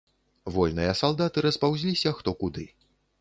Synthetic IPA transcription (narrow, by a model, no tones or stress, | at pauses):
vɔlʲnɨjɐsalˠd̪at̪ɨɾɐspawzʲlʲisʲɐxt̪ɔkud̪ɨ